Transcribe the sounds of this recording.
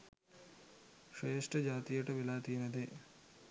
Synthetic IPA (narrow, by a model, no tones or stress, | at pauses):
ʂeːʂʈɐd͡ʑaːt̪ijɐʈɐʋilaːt̪ijnɐd̪e